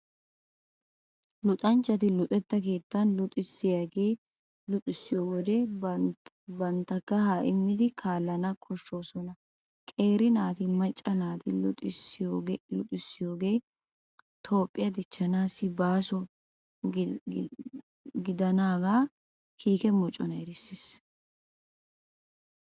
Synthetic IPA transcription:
lʊt̪ʼɐnt͡ʃːɐt̪ɪlʊt̪ʼɛt̪ːɐk̬e̞ːt̪ːɐnlʊt̪ʼɪsːɪjaɡeː | lʊt̪ʼɪsːɪjoːwɔd̪ɛ | bɐnt̪ːɐkːɐhaːʔɪmːɪd̪ɪkʰaːlːɐnɐkʰʼɔʃːo̞ːsɔnɐ | kʼe̞ːɾɪnaːt̪ɪmɐt͡ʃʼːɐnaːt̪ɪlʊt̪ʼɪsːɪjoːɡlʊt̪ʼɪsːɪjo̞ːɡe̞ː | t̪ʰo̞ːpʼːɪjɐd̪ɪt͡ʃːɐnaːsːɪbaːsɔ | ɡɪd̪ɐnaːɡaː | kiːkɛmɔt͡ʃʼːɔnɐɛɾɪsːɪs

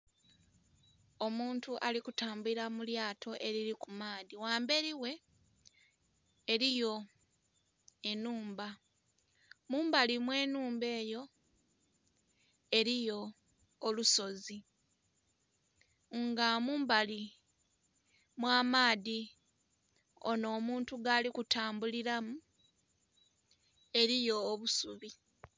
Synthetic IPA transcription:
omuːntuʔalikutaːmbuiɾamuljaːtʰo̞ʔe̞ɾiɾikumaːðiwaːmbe̞ɾiwe̞ | ɾijo̞ | enuːmba | muːmbalimwe̞ːnuːmbe̞ːjo̞ | e̞ɾijo̞ː | luso̞zi | ŋɡamuːmbali | mwaːmaːði | o̰no̞ːmuːntuɡalikutʰaːmbuliɾamu | e̞ɾijo̞ːβusuβi

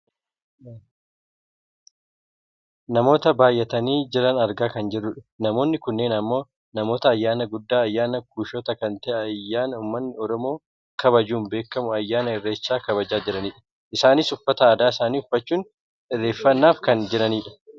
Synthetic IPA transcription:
nɐmo̞ːt̪ɐbaːjːɛt̪ɐniːd͡ʒɪɾɐnɐɾɡaːkɐnd͡ʒɛrːʊᶑɐ̥nɐmo̞ːnːɪkʊnːe̞ːnɐmːo̞ː | nɐmo̞ːt̪ɐːjːaːnɐɡʊd̪ːaːɐjːaːnɐk̚uːʃot̪ɐkɐnt̪ɐʔɐjːaːnɐuːmːɐnːɪɔɾɔmo̞ː | kɐbɐd͡ʒuːnbe̞ːkːɐmʊɐjːaːnɐɪrːeːsːaːkɐβɐd͡ʒaːd͡ʒɪɾɐniːᶑɐ̥ | ʔɪsaːnɪsʊfːɐt̪ɐːd̪aːɪsaːniːʊfːɐt͡ʃːuːn | ɪrːeːfːɐnːaːfkɐnd͡ʒɪɾɐniːᶑɐ̥

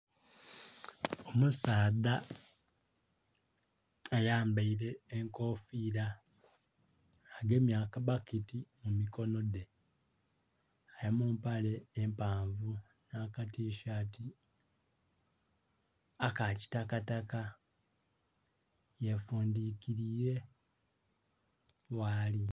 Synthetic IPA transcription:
omusaːda | jaːmbaiɾe̞ːŋko̞ːfiːɾa | ɡe̞mjaːkabakitimumiko̞no̞de̞ | ajamuːmpale̞ːmpaːɱvu | nakatiːʃaːti | akaci̥takataka | jefuːndiːkiɾije̞ | waːli

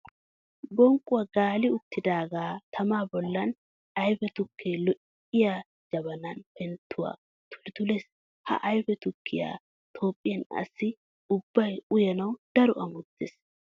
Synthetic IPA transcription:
bɔŋkʼʊwɐɡaːlɪʊt̪ːɪd̪aːɡaːt̪ʰɐmaːbɔlːɐn | ɐjfɛt̪ʊkʰːeːlɔʔ | ɪja | d͡ʒɐbɐnɐnpɛnt̪ʰːʊwa̰ː | t̪ʊ̥ɾɪt̪ʊles | hɐ̰ʔɐjfɛt̪ʊkʰːɪja̰ː | t̪ʰo̞ːpʼːɪjɐnɐ̰sːɪ | ʊbːɐjʊjɛnɐwd̪̥ɐɾɔʔɐmʊt̪ːes

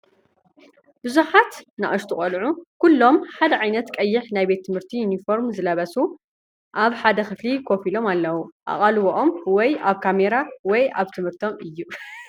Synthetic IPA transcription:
bɨzuħat̪na̰ʔɐʃt̪ʰuχʼɐlʕukʰulːo̞mħad̪ɐʕajnɐt̪kʼɐjːɪħnajbe̞t̪ʰːɨmhɨɾt̪ʰijunifo̞ɾmzɨlɐβɐsu | ʔaβħad̪ɐxɨflikʰo̞filo̞malːɐwuʔa̰χʼalwoʔomwɔjaβkʰame̞ɾawɔjaβt̪ʰɨmhɨɾt̪ʰo̞mɨjːu

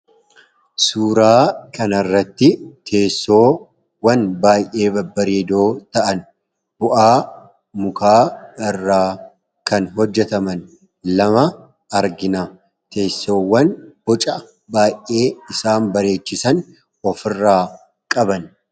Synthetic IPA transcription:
suːɾaːkɐnɐrːɐt̪ːɪt̪ʰe̞ːsːo̞ː | wɐnbaːjʔe̞ːbɐbːɐɾeːd̪o̞ːt̪ɐʔɐn | bʊʔaː | mʊkaːɪrːaː | kɐnɦɔd͡ʒːɛt̪ɐmɐn | lɐmɐ | ɐɾɡɪna | t̪ʰe̞ːsːo̞ːwːɐnb̥ɔt͡ʃʼɐ | baːjʔe̞ːɪsaːnbɐɾe̞ːt͡ʃːɪsɐn | ɔfɪrːaː | kʼɐbɐn

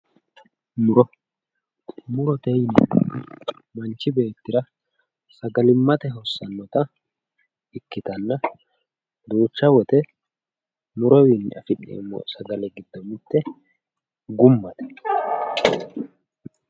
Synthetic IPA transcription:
mʊɾɔ | mʊɾɔt̪ɛjnɪ | mɐnt͡ʃːɪbe̞ːt̪ːɪɾɐ | sɐɡɐlɪmːɐt̪ɛɦɔsːɐnːɔt̪ɐ | ɪkːɪt̪ɐnːɐ | d̪uːt͡ʃːɐwɔt̪ɛ | mʊɾɔwinːɪɐ̰fɪnːḛːmːɔ̰sɐɡɐlɛɡɪd̪̥ːɔmɪt̪ːɛ | ɡʊmːɐt̪ɛ̥

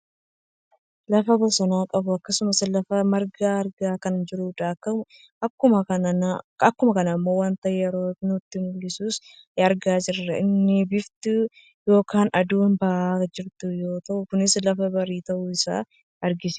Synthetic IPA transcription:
lɐfɐbʊsɐnaːkʼɐbʊɐkːɐsʊmɐslɐfɐmɐɾɡaːɐɾɡaːkɐnd͡ʒɪɾuːᶑakːɐ | ɐkːʊmɐkɐnɐnɐkːʊmɐkɐnɐɪmːo̞ːwaːnt̪ɐʔɛjɛɾo̞ːnʊt̪ːɪnʊlːɪsuːs | ɐɾɡaːd͡ʒɪrːɐɪnːɪbɪft̪u | jo̞ːkaːnɐd̪uːnbɐʔaːd͡ʒɪɾt̪ʊjo̞ːt̪ɐʔʊkʊnɪslɐfɐbɐɾiːt̪ɐʔuːɪsa̰ː | ɐɾɡɪs

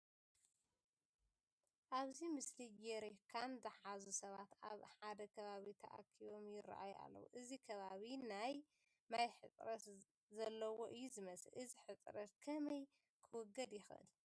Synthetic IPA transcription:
ʔaβzimɨslijɛɾekʰamzɨħazusɐβat̪aβħad̪ɐkʰɐβaβit̪ʰɐʔa̰kʰːiβo̞mjɪra̰ʔa̰jʔa̰lːɐ̰wṵʔɨzikʰɐβaβinaj | majħɨt̪ʼɾɐt̪ | zɐlːɐwoʔɨjːuzɨmɐsɨʔɨziħɨt̪ʼɾɐt̪kʰɐmɐj | kʰɨwɔɡɐd̪jɪxʔɨ̰l

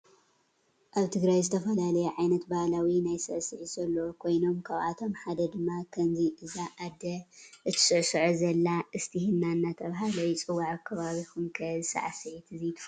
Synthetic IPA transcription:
ʔaβt̪ʰɨɡɾajzɨt̪ʰɐfɐlalɐjɛʕajnɐt̪bahalawinajsɨʕsɨʕizɐlːokʰo̞jno̞mkʰaβʔa̰t̪ʰo̞mħad̪ɐd̪ɨmːakʰɐmziʔɨzaʔːd̪ɐʔɨt̪ʰɨ̥sɨʕsɨʕuzɐlːaʔɨst̪ʰihɨnːanːat̪ʰɐβɦalɐjit͡sʼɨwaʕkʰːɐβaβixumkʰɐzɨsa̰ʕasɨʕit̪ʰɨzijt̪ʰɨ̥f

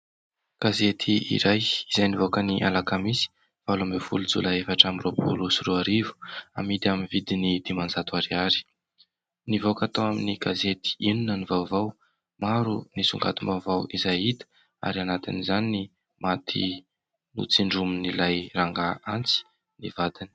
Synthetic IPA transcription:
ɡ̥azet̪ʰiḭɾajizajnivokəniʔa̰lakamisi̥ | v̥alamefulud͡zṵlaefaʈ͡ʂamiropo̰lusruaɾivu̥a̰mid̪aminvid̪inid̪̥imand͡zat̪uaɾiaɾi̥ | nivokat̪awaminiɡ̥azet̪i̥inunənivawvaw | maɾunisuŋɡa̰t̪umavawizajit̪ə̥ | a̰ɾianat̪ḭnizanini | mat̪ʰḭ | nṵt͡siɳɖ͡ʐuminilajraŋɡaant͡si̥ | nivad̪ini̥

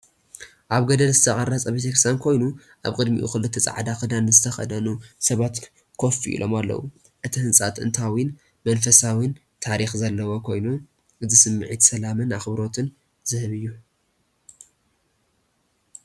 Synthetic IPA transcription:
ʔaβɡɐd̪ɐlzɨt̪ʰɐχʼɐrɐt͡sʼɐβet̪ʰekɾsʰankʰo̞jnu | ʔa̰βkʼɨd̪mḭʔṵxɨlɨt̪ʰːɐt͡sʼa̰ʕd̪axɨd̪anːɨzɨt̪ʰɐxɐ̰d̪ɐnusɐβat̪ | kʰo̞fḭʔḭlʔo̞malːɐ̰wu | ʔɨt̪ʰihɨnsʼat̪ɨ̰nt̪ʰawin | mɐnfɐsawin | t̪ʰaɾixzɐlːɐwo̞kʰo̞jnu | ʔɨzɨsɨmːɨʕit̪sɐlamɨnaxɨβɾo̞t̪ʰɨn | zɨhɨβɨjːu

